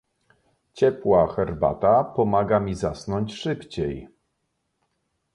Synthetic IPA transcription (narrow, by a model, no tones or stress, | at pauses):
t͡ɕɛpwaxɛɾba̰t̪apɔmaɡamʲizasnɔɲt͡ɕʂɘpt͡ɕej